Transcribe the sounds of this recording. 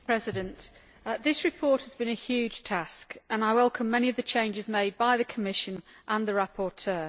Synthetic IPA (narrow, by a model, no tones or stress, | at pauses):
pʰɹ̥ɛzɪdə̃nʔ | ðɪsɹɪpʰɔˑthəzbĩnəhjʉːd̥ʒ̥tʰaskə̃naɪwɛlˠkʰə̃mːɛñiəvðət͡ʃʰẽɪ̃nd͡ʒɪzmeɪd̚baɪðəkʰəmɪʃə̃nʔə̃nðəɹapʰɔˑtʰɜː